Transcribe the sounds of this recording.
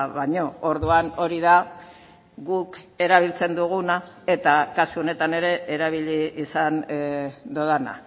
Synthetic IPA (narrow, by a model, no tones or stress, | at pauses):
βaɲo̞oɾðuano̞ɾiða | ɣuk | e̞ɾaβ̞ilt͡se̞nd̪uɣ̞unae̞t̪akasuo̞ne̞t̪ane̞ɾe̞ʔeɾaβ̞iʎiːsand̪oðana̰